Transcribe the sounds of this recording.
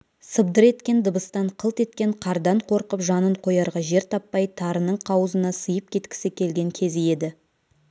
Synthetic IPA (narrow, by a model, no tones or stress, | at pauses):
səbd̪əɾe̞t̪kʲe̞nd̪əbəst̪ɑɴqʰəlˠt̪e̞t̪kʲe̞ɴqʰɑɾd̪ɑɴqʰo̞ɾqəpʒɑnəɴqʰo̞jɑɾʁɑʒe̞ɾt̪ʰɑpːɑjt̪ʰɑɾənəɴqʰɑwəzənɑsəjəp̚kʲʰe̞t̪kʲɪ̥sɪkʲʰe̞lɡʲe̞ŋkʲʰe̞zje̞d̪ɪ